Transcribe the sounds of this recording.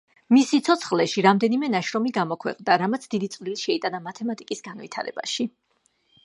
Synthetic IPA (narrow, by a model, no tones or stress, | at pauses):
misit̪sʰɔt̪sʰχlɛʃiɾamd̪ɛnimɛnaʃɾɔmiɡamɔkʰwɛ̰qʼnd̪aɾamat̪sʰd̪id̪it̪sʼvliliʃɛit̪ʼanamat̪ʰɛmat̪ʼikʼisɡ̥anvit̪ʰa̰ɾɛ̰ba̰ʃi